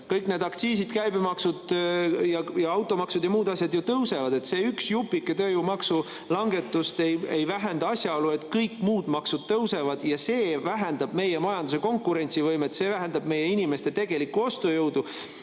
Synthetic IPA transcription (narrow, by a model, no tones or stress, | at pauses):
kɤjkˑne̞d̪̥ɑkt̪siːsid̪kæjbimɑksud̪̥jɑjɑɑwt̪ːˑo̞mɑksud̪jɑmuːd̪ɑsʲjɑd̪jut̪ɤwse̞vɑd̪e̞t̪se̞ːyksjupːˑikːˑet̪øːjumɑksu | lɑŋɡe̞t̪ːˑust̪ejejvæɦe̞nd̪ɑɑsʲjɑo̞lue̞t̪ˑkɤjkːˑmuːd̪̥mɑksud̪̥t̪ɤwse̞vɑd̪̥jɑse̞ːvæɦend̪̥ɑb̥me̞jemɑjɑnd̪us̬e̞ko̞ŋkːˑuɾe̞nʲt̪sivɤjmet̪se̞ːvæɦend̪ɑb̥̚me̞jːe̞inime̞st̪e̞t̪e̞ɡ̥e̞likːˑuo̞st̪ojɤwd̪̥u